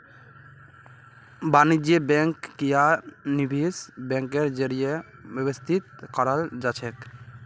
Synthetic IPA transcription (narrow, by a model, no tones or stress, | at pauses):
banid͡ʒebɛŋkːijanibʱisbɛ̃ŋkeɾd͡ʒəɾijebebɔst̪ʰit̪̚kɔɾəld͡ʒat͡ʃʰɛk